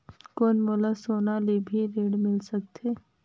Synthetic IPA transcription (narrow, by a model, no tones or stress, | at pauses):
koːnmolasoːnalebʱiɾeːɽmɪlsɐk̚t̪ʰeː